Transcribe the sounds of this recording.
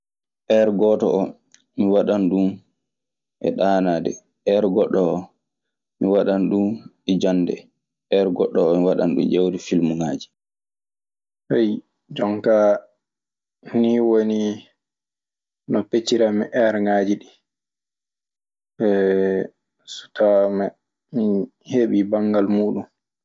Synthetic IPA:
ʔɛɾɡɔtɔ̰ʔɔ | miwaɗanɗun | ʔɛ̰ɗaːnaːdɛ | ɛɾɡɔɗːɔɔ | miwaɗanɗun | ɛd͡ʒanːdɛ̰ | ɛɾɡɔɗːɔɔmiwaɗa̰nɗṵmd͡ʒewdifilmuŋaːd͡ʒi̥ | hej | d͡ʒɔŋka | niwoni | nɔpet͡ʃiɾamɛʔɛɾŋad͡ʒiɗi | ɛ | su̥tamɛ | mi | heɓibaŋɡalmuːɗum

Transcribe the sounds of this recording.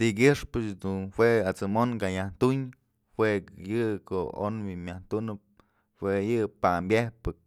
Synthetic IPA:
t̪ikɨʂpɨt͡ʃd̪unhwʷeat͡sɨmonkaɲaht̪uɲ | hwʷejɨko̰o̰nwimʲaht̪unɨp̚ | hwejɨpambʲehpɨk̚

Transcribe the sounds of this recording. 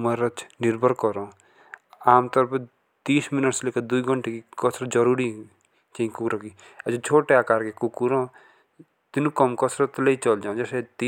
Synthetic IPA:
məɾət͡ʃʰniɾbʱəɾkɔɾõ | aːmt̪ɔɾpʰ | t̪iːsminəʈslekad̪uiɡʱəɳʈekikɔsɾɔd͡ʒɔɾuɾi | t͡ʃãĩkukɾɔki | ɐt͡ʃʰẽt͡ʃʰoʈeakaːɾkekukuɾõ | t̪inukɔmkɔsɾɔt̪leit͡ʃʌld͡ʒaũd͡ʒeset̪i

